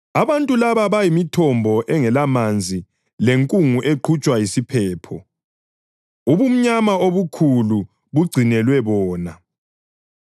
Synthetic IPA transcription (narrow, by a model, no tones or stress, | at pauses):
aβantʼulaβaβajimitʰɔmbʱɔʔɛŋɛlamand͡zʱi | leŋkʼuŋuʔeǃʰut͡ʃʼwajisipʰɛːpʰɔ | uβum̩ɲamaoβukʰulu | βuɡ͡ǀʱinɛlwɛβɔːna